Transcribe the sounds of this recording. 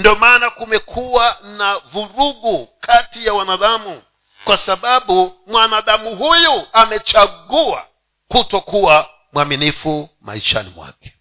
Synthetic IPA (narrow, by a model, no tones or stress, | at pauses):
ndiɔmaːnakumɛkʰuwanavuɾuɡukʰatijawanaðamu | kwasaɓaɓumwanaðamuɦujuamɛt͡ʃaɠua̰ | kutɔkuwa | mwaminifuma̰iʃa̰nḭmwa̰kɛ̥